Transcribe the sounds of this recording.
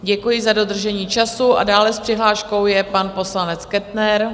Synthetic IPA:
ɟɛkujɪzado̞d̪r̩ʒɛɲiːt͡ʃasuʔa̰daːlɛspr̝̥ɪɦlaːʃko̞wjɛpanpo̞slanɛt͡skɛt̪nɛɾ

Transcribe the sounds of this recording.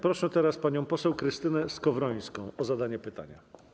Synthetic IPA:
pɾɔʂɛt̪ɛɾaspaɲɔ̃w̃pɔsɛwkɾɘst̪ɘnɛskɔvɾɔj̃skɔ̃w̃ʔɔzad̪aɲɛpɘt̪a̰ɲa̰

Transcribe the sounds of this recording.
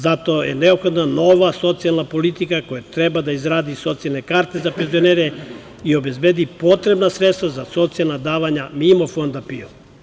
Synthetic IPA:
zat̪ojḛneopxo̞d̪nanoʋaso̞t̪sialˠnapo̞lit̪ikakojat̪ɾebad̪aizɾaːd̪iso̞t̪sijalne̞kaːɾt̪e̞zapenzioneɾe | io̞be̞zbed̪ipo̞t̪ɾe̞bnasɾet̪st̪ʋazaso̞t̪sijalˠnad̪aːʋaɲamimo̞fo̞nd̪apio

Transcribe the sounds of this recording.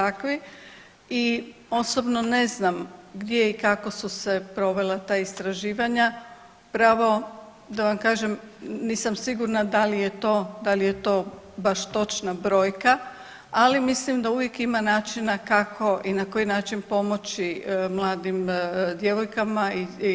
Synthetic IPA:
t̪akʋi | i | o̞so̞bno̞ne̞znamɡd̪je̞ikakosuse̞pɾo̞ʋe̞lat̪aːist̪ɾaʒiːʋaɲa | pɾaʋo̞ | d̪aʋamkaːʒemniːsamsiɡuɾnad̪alije̞t̪o̞ːd̪alije̞t̪o̞ːbaʃt̪o̞t͡ʃnabɾo̞ːjka | alimislimd̪auʋjekimanaːt͡ʃinakakʰo̞ʔinakojinaːt͡ʃinpo̞mo̞t͡ɕimlˠaːd̪imd̪je̞ʋojkamai

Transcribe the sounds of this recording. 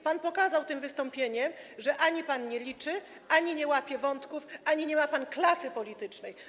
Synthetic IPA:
panpɔkazawt̪ɘmvɘst̪ɔmpʲjeɲɛmʐɛʔaɲipanɲɛlʲit͡ʂɘ | aɲiɲɛwapʲjɛvɔnt̪kufaɲiɲɛmapanklasɘpɔlʲit̪ɘt͡ʂnɛj

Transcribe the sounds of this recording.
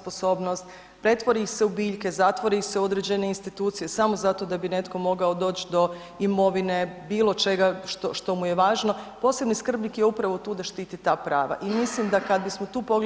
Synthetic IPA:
posoːbnost̪ | pɾe̞t̪ʋo̞ɾiseubiːʎke̞zat̪ʋo̞ɾise̞o̞d̪ɾed͡ʑe̞ne̞inst̪it̪uːt̪sije̞samo̞zat̪o̞d̪abine̞t̪ko̞mo̞ɡao̞d̪o̞ːt͡ɕd̪o̞ | imo̞ʋine̞biːlˠo̞t͡ʃe̞ɡaʃt̪oʃt̪o̞muje̞ʋaːʒno̞po̞ːse̞bniskr̩bnikjeupɾaʋo̞t̪uːd̪aʃt̪iːt̪it̪aːpɾaːʋa̰ʔimislimd̪akad̪bismot̪uːpoɡ

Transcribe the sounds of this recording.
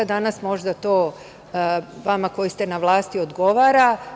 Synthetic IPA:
ad̪anasmo̞ʒd̪at̪o̞ː | ʋamako̞jist̪e̞naʋlˠaːst̪iod̪ɡo̞ʋaːɾa

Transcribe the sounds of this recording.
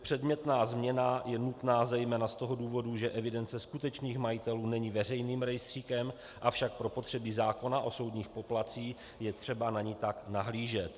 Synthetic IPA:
pr̥ɛdmɲɛt̪naːzmɲɛnajɛnut̪naːzɛjmɛːnast̪o̞ɦo̞duːvo̞duʒɛʔɛvɪdɛnt͡sɛskut̪ɛt͡ʃniːxmajɪt̪ɛluːnɛɲivɛrɛjniːmɾɛjst̪r̝̥iːkɛm | ʔafʃak̚pɾo̞po̞t̪r̝̥ɛbɪzaːko̞naʔo̞so̞wd̪ɲiːxpo̞plat͡siː | jɛt̪r̝̥ɛbanaɲit̪aknaɦliːʒɛt̪

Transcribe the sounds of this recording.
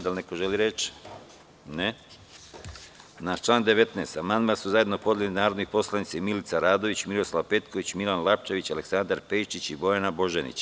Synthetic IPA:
d̪alnekoʒeliɾe̞t͡ʃ | ne | nat͡ʃlˠaːnd̪e̞ʋe̞t̪neːst̪amand̪masuzajd̪no̞po̞d̪ljelinaːɾo̞d̪nixpo̞slˠanit̪saimilit̪saɾaːd̪o̞ʋit͡ɕmiɾo̞slaʋpe̞t̪ko̞ʋit͡ɕmilanlˠap̚t͡ʃeʋit͡ɕale̞ksand̪aɾpeʃt͡ʃit͡ɕibo̞janabo̞ʒenḭt͡ɕ

